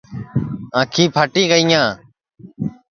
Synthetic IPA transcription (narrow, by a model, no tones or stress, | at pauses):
ãːkʰĩːpʰəʈiːɡəɪjãː